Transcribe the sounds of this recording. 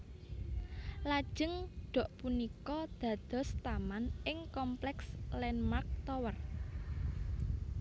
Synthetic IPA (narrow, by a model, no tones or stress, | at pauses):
lḁʒ̥əŋɖ̥ɔ̤ʔpunikɔd̪̥ä̤d̪̥ɔ̤st̪amanɪŋkɔmplɛkslɛnmark̚t̪ɔwər